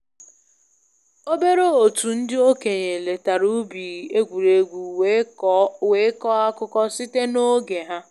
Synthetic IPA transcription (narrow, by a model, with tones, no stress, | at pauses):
o˦be˦ɾo˦o˨tu˨n̩˦dɪ˦o˦ke˨ɲe˨le˨ta˨ɾu˦bi˨e˦ɡʷu˨ɾe˨ɡʷu˨ | we˨˦kɔ˦a˦kʊ˦kɔ˦sɪ˦te˦no˦ɡe˨ɦa˦